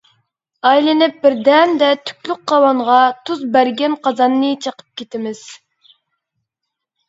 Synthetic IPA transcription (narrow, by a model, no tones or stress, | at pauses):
ɑjlɪnɪp̚bɪɾd̪ɛmd̪ɛt̪ʰy̥kʲlʊq̚qːɑwɑɴʁɑt̪ʰuzbæɾɡʲɛnqʰɑzɑnːɨt͡ʃʰəqʰə̥p̚kʲʰet̪ɪmɪz̥